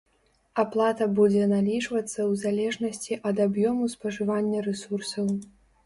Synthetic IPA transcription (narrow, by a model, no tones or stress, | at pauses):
aplˠat̪ɐbud͡zʲɛnalʲiʐvɐt̪sːɐwzalʲɛʐnɐsʲt͡sʲiʔɐd̪abjɔmuspɐʐɨvanʲːɐɾɛsursɐw